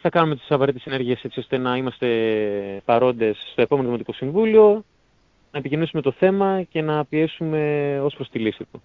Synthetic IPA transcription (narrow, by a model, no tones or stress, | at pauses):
iθɐkɐnumet̪i̥sɐvɐɾet̪esene̞ɾʝiese̞t͡sio̞st̪e̞nɐimɐst̪e̞pɐɾo̞nd̪e̞sːt̪o̞epo̞me̞noðimot̪iko̞siɱvulio̞ | nɐepicinisume̞t̪o̞θe̞mɐce̞nɐpie̞sume̞o̞spɾo̞st̪ilisit̪u